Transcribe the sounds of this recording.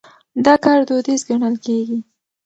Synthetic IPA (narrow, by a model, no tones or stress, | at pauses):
d̪ɑkɑɾd̪od̪izɡaɳəlkeɡi